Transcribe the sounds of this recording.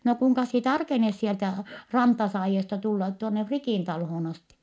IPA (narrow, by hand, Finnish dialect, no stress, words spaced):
no kuŋkɑs sie tɑrkenes sieltæ rɑntɑsɑːjiestɑ tulːɑt tuonːe frikiˑn tɑlhoːn ɑsti